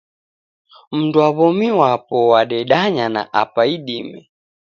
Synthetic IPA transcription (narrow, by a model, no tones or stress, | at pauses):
m̩nduaβɔmiwapɔwaɗɛɗaɲana̰ʔa̰paiɗimɛ